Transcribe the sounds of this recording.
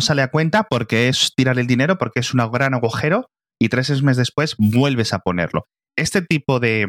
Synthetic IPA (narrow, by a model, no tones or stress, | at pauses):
saleakwe̞nt̪apo̞ɾke̞est̪iɾaɾe̞ld̪ine̞ɾo̞po̞ɾkee̞sunaɣɾanaɣuxe̞ɾo | it̪ɾe̞s̬ezmeszðe̞spwe̞zbwe̞lβ̞e̞sapo̞ne̞̰ɾlo̞̰ | e̞st̪e̞t̪ipo̞ðe̞